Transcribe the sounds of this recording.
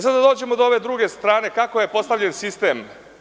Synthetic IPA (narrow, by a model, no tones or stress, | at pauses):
sad̪ad̪oːd͡ʑe̞mod̪ooʋe̞d̪ɾuɡe̞st̪ɾaːne̞kakoje̞po̞st̪aʋʎe̞nsist̪e̞ːm